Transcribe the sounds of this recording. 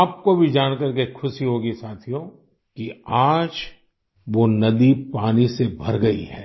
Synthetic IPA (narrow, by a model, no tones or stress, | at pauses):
aːp̚kobʱid͡ʒaːnkɐɾkekʰʊʃiɦoːɡisaːt̪ʰijõ | kiaːd͡ʒ | ʋonɐd̪ipaːnisebʱɐɾɡɐḭɦɛː